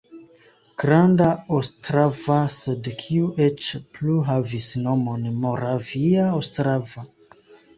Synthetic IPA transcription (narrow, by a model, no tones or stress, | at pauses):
ɡ̥ɾandaostɾavasedkʰiuʔet͡ʃpluɦavisno̞mo̞nmo̞ɾaviaostɾava